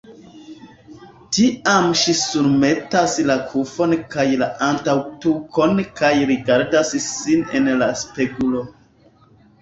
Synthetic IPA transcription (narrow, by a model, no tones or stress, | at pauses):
tiamʃisuɾme̞taslakʰufo̞nkajlaʔantawtukʰonkajɾiɡaɾdassinḛnlaspeɡulo̞